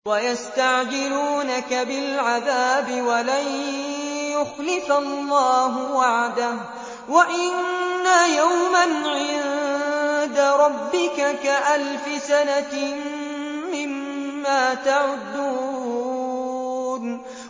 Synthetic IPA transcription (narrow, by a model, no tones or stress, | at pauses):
wajast̪aʕd͡ʒɪluːnakabɪlʕaðaːbɪwalaj | jʊxlɪfalːɑːɦʊwaʕd̪am | waʔɪnːajawmanʕɪn | d̪aɾˤɑbːɪkakaʔalfɪsana | ɪmː | aːt̪aʕʊd̪ːuː | n